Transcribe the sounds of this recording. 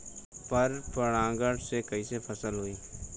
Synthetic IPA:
pɐɾpəɽ̃ãːɡəɽsekɐisepʰɐsəlɦoːiː

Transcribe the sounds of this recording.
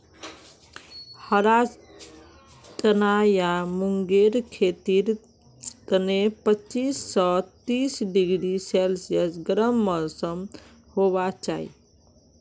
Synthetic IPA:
həɾa | t͡ʃənajamuŋɡeɾkʰet̪iɾ | t̪ənepət͡ʃisːət̪isɖiɡɾisɛlsijəsɡəɾəmːɔlsəm | hoβat͡ʃaḭ

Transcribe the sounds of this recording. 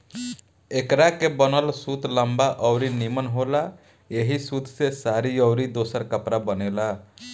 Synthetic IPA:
ekɾakebɔnəlsut̪ləmbaʔɔʊɾinimənɦola | eɦisut̪sesaɾiɔʊɾid̪osəɾkəpɾabənela

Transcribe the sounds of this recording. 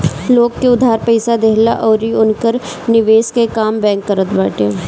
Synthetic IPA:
loːɡkːeʊd̪ʱaːɾpɛːsad̪eːɦla̰ʔɔːɾiʊnkəɾ | nɪʋeːskekaːmbɛ̃ːŋkːəɾət̪ba̰ːʈe

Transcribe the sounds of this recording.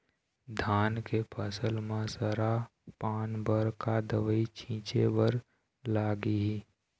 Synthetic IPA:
d̪ʱaːnkepʰəsəlmẽsəɾapaːnbəɾkad̪əʋəit͡ʃʰĩːt͡ʃebəɾ | laːɡiɦi

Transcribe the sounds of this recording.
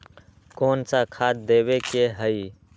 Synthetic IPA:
koːnsakʰaːt̪̚d̪eːwekeɦəi

